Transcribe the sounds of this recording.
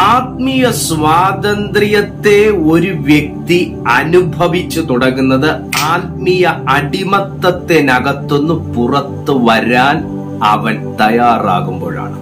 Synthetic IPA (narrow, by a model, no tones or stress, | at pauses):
aːt̪̚mijɐsʋaːd̪ɐnd̪ɾijɐt̪ːe̞o̞ɾuʋjek̚t̪i | ɐnubʱɐʋit͡ɕːut̪uɽɐŋːunːɐðɨaːt̪̚mijɐɐɽimɐt̪ːɐt̪ːe̞nɐɡɐt̪ːo̞nːupurɐt̪ːɨʋɐɾaːn | ɐ̰ʋɐnt̪ɐjaːra̰ːɣumbo̞ːɻa̰ːɳɨ